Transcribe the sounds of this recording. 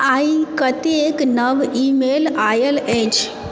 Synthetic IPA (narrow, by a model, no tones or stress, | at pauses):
aikət̪eeknəʋimelajəled͡ʒ